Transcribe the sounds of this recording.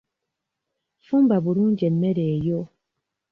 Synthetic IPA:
fumbabuɾuŋ̩d͡ʒɛnmɛɾɛjɔ

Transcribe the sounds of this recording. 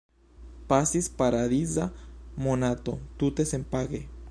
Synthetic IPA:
pasispaɾaðizamonat̪ot̪ut̪esempaɣe

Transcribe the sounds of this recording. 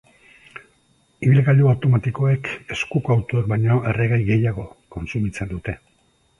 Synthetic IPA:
iβilɣaʎuawt̪o̞mat̪iko̞e̞ke̞skukawt̪uek̚bajɲo̞e̞reɣajɣe̞jaɣo̞ko̞nsumit͡se̞nd̪ut̪e̞

